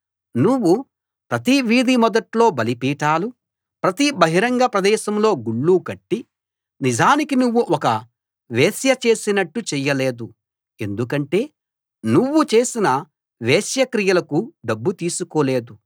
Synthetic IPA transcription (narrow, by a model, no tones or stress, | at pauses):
nuʋːu | pɾɐt̪iʋiːd̪imɔd̪ɐʈlo̞ːbɐlipiːʈaːlu | pɾɐt̪ibɐɦiɾɐŋɡɐpɾɐd̪ɛːʃɐmlo̞ːɡuɭːuːkɐʈːi | nid͡ʒaːnikinuʋːuʔɔkɐ | ʋeːsjɐt͡ʃe̞ːsinɐʈːut͡ʃɛjːɐle̞ːd̪u | e̞nd̪ukɐɳʈe̞ː | nuʋːut͡ʃe̞ːsinɐ | ʋeːsjɐkɾijɐlɐkuɖɐbːut̪iːsukoːle̞ːd̪u